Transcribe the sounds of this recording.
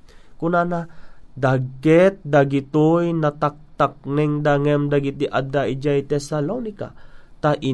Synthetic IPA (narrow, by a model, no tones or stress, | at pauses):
kʊnanad̪aɡkɛt̪̚d̪aɡɪt̪ojnɐt̪ak̚t̪ak̚nɛŋd̪aŋɛmd̪aɡit̪iʔad̪aʔid͡ʒajt̪ɛsalonɪka̰t̪aʔɪ